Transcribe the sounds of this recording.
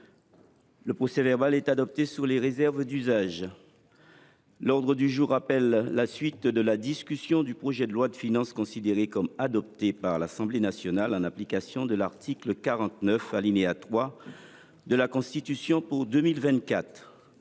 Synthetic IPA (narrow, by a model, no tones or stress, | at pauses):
ləpχɔsɛvɛʁbalɛt̪ad̪ɔp̚t̪esyʁleʁezɛʁvd̪yzaʒ | lɔʁd̪ʁəd̪yʒuʁːapɛlːasɥit̪d̪əlad̪iskʲysjɔ̃d̪ypχɔʒɛd̪əlwad̪əfinɑ̃skɔ̃sid̪eʁekɔmad̪ɔp̚t̪epaʁlasɑ̃blenasjɔnalɑ̃naplikasjɔ̃d̪əlaʁt̪ʰikləkaʁɑ̃t̪nœfalineat̪χwa | d̪əlakɔ̃st̪it̪ysjɔ̃puʁd̪ømilvɛ̃t̪̚kat̪χ